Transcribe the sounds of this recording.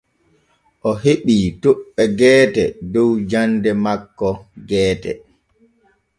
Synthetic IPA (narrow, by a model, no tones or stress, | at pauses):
ʔɔheɓiːtoɓːɛɡɛːtɛdɔwd͡ʒandɛmakːɔɡɛːtɛ̰